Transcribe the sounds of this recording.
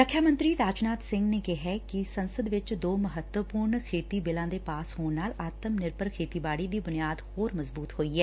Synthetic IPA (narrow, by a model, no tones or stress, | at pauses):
pɾəkʰjaːmə̃nt̪ɾiːɾaːd͡ʒnaːt̪sɪ̃ŋɡneːkɪɦɛkɪsənsəd̪ʋɪt͡ʃd̪oːməɦət̪wəpʊːɾɳkʰeːt̪iːbɪlãːd̪eːpaːshoːnnaːlaːt̪əmnɪɾpəɾkʰeːt̪iːbaːɽiːd̪iːbʊnijaːd̪hoːɾməzbuːt̪ɦoːiːɛː